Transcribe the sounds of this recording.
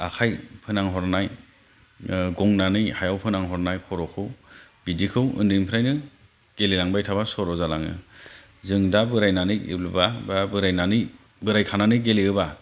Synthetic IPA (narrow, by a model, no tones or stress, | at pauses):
a̰kʰajpʰɯnaŋɦɔɾnaj | ɡɔŋnanɯjhajawpʰɯnaŋɦɔɾnajkʰɔɾɔkʰɯwbidikʰɯwɯ̰ndɯŋpʰɾajnɯ | ɡ̥elilaŋbajtʰabasɔɾɔzalaŋɯ̰ | zɯŋdabɯɾajnanɯjḭblɯbababɯɾajnanɯj | bɯɾajkʰananɯɡeliɯba